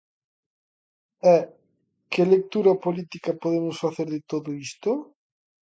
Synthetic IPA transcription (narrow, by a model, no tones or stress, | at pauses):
ɛ | kɪlek̚t̪uɾɐpolit̪ikapoðemʊsfaθeɾðɪt̪oðoist̪o